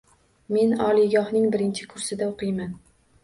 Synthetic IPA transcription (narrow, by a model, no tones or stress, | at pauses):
me̞nɒlˠiɡʲɒhnɪŋbɪɾɪnt͡ʃʰɪkʰʊɾsɪd̪aoqʰɨjman